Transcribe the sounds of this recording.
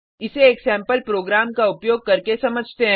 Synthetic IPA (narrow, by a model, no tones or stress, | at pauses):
ɪseːksɛ̃ːmpəlpɾoːɡɾaːmkaʊpjoːɡ̚kɐɾkesɐməd͡ʒʱt̪eɦɛ̃